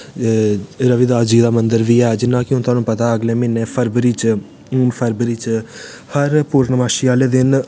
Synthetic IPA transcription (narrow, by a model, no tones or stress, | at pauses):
ɾəʋɪd̪aːd͡ʒiːd̪aːmənd̪əɾʋiːɛːd͡ʒɪnːãːkɪõːt̪ʊaːnũːpət̪aːəɡlẽːmɪnːẽːpʰəɾbəɾiːt͡ʃ | pʰəɾbəɾiːt͡ʃ | həɾpuɾnəmaːʃɪaːleːd̪ɪn